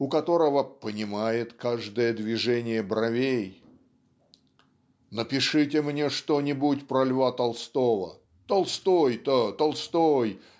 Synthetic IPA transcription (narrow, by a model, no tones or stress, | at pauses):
ʊkɐt̪o̞ɾəvəpənʲɪmajɪt̪kaʐd̪əjəd̪vʲɪʐɛnʲɪjəbɾɐvʲej | nəpʲɪʂɨtʲɪmnʲeʂt̪onʲɪbutʲpɾɐlʲvat̪ɐlˠst̪o̞və̰ | t̪ɐlˠst̪ojt̪ət̪ɐlˠst̪oj